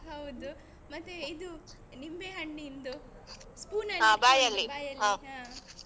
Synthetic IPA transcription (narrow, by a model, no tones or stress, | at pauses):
ɦɐwd̪u | mɐt̪ːeid̪u | nimbeɦɐɳːiːnd̪u | skuːnɐɦãːbaːjɐlːijɐlɦaːa